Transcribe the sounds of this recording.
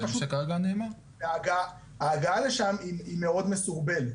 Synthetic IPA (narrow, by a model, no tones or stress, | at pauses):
ʃekaʁaɡaneːma | veaɡaa | haːɡaaleʃamiimeo̞d̪mesuʁbe̞let